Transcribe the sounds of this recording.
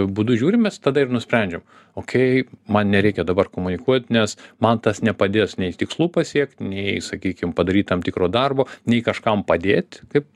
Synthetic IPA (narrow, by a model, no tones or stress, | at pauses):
bud̪ʊʒʲuːɾʲɪmmʲɛst̪ɐd̪ɐɪrnʊsʲpʲɾʲɛnʲd͡ʒʲɛm | oːkʲɛɪmɐnnʲɛɾʲɛɪkʲɛd̪ɐbɐrkoːmʊnʲɪkuɔt̪ʲnʲɛsmɐnt̪ɐsnʲɛpɐd̪ʲeːsnʲɛɪt̪ʲɪkslˠuːpɐsʲiɛkt̪ʲnʲɛɪsɐkʲiːkʲɪmpɐd̪ɐɾʲiːt̪ʲt̪ɐmt̪ʲɪkɾoːd̪ɐrboːnʲɛɪkɐʃkɐmpɐd̪ʲeːt̪ʲkɐɪp